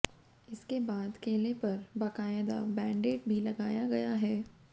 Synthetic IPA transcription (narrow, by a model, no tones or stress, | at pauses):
ɪskebaːd̪keːlepɐɾbɐkaːjd̪a̰bɛ̃ːɳɖeːʈbʱilɐɡaːjaɡɐjaɦɛː